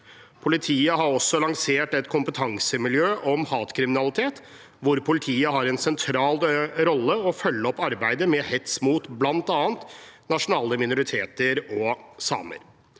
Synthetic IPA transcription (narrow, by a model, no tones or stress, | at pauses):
pʰʊlɪt̪ʰiːəɦɑɾɔsːɔlɑŋseːʈɛt̪kʰʊmpət̪ʰɑŋsəmɪljøːʔɔmhɑːt̪kʰɾɪmɪnɑlɪt̪ʰeːt̪ | ʋʊɾpʰʊlɪt̪ʰiːəɦɑɾɛnsɛnt̪ʰɾɑːlɾɔlːəɔfœlːəɔpːɑɾbæɪd̪əmɛhɛt̪smuːt̪blɑnt̪ɑːnt̪nɑʂʊnɑːləmɪnʊɾɪt̪ʰeːt̪əɾɔsɑ̰ːmə̰ɾ